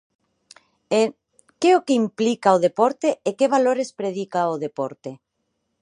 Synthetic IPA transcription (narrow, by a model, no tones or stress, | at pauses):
e | keokeimplikaoðepoɾt̪eʔːkeβ̞aloɾespɾeð̞ikaoð̞epoɾt̪e